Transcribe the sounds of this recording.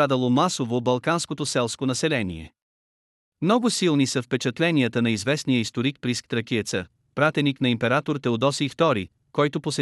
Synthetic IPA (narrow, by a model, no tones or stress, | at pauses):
ad̪əlˠomasovobɐlˠkanskot̪osɛlˠskonɐsɛlɛnḭɛ̰ | mnɔɡʊsilˠnisɐfpɛt͡ʃɐt̪lɛnijət̪ənɐizvɛsnijəist̪oɾik̚pɾisk̚t̪ɾɐkiɛt̪sə | pɾat̪ɛniknɐimpɛɾat̪oɾt̪ɛod̪ɔsiːft̪ɔɾi | kɔjt̪ʊposɛ